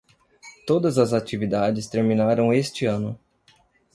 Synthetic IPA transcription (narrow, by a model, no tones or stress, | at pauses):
t̪od̪ɐzɐzat͡ʃivid̪ad͡ʒɪst̪eɾminaɾɐ̃w̃est͡ʃɪɐ̃nʊ